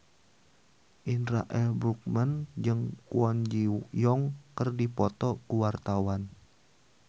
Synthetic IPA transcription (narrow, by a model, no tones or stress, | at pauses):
ʔinɾa̰ʔɛlbɾuk̚mənd͡ʒɨŋkuɔnd͡ʒijɔŋkərdipɔt̪ɔkuwart̪awan